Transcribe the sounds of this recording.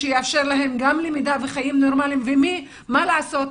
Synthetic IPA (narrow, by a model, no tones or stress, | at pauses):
ejeafʃe̞ʁlaɦe̞mɡamlemid̪aveχajimnoʁmalimvemi | malaaso̞t